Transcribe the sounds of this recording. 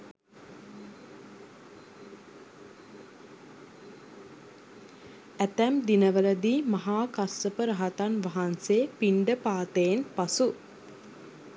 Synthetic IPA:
æt̪æmd̪inəʋələd̪iːmɐɦaːkasːəpəɾɐɦat̪anʋaɦanseːpiɳɖəpaːt̪əjenpasu

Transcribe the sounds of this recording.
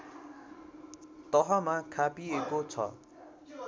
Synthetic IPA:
t̪ʌɦʌmakʰapiekot͡sʰʌ̰

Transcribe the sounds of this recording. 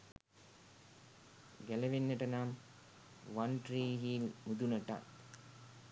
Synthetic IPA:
ɡæleʋenːəʈənaːm | ʋanʈriːɦiːlmud̪unəʈa̰t̪

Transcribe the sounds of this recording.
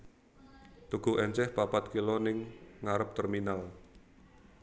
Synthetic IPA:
t̪uɡ̥ṳʔɛɲt͡ʃɛhpapat̪̚kilonɪŋːaɾəp̚t̪ərminal

